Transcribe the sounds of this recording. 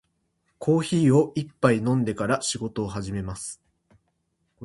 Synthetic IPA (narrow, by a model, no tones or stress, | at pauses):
kʰo̞ːçiːo̞ipːainõ̞nd̪e̞kaɾaɕiɡo̞t̪o̞ːɦaʑime̞masɨ̥